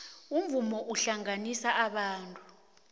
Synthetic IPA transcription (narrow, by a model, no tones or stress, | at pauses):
uɱvumɔʔuɬaŋanisaʔaɓaːntʼu̥